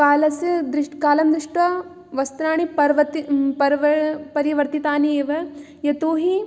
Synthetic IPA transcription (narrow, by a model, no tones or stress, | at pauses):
kaːlɐsɐd̪ɾiʂkaːlɐmd̪ɾiʂʈʋɐ | ʋɐst̪ɾaːɳiɐɾʋɐt̪ipɐɾʋɐpɐɾiʋɐɾt̪it̪aːnieːʋɐ | jɐt̪uːɦi